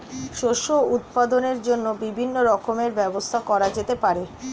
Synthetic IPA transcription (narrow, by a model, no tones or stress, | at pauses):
ʃoʃout̪̚pad̪oneɾd͡ʑonːobibʱinːoɾɔkʰomeɾbɛbost̪ʰakɔɾad͡ʑet̪epaɾe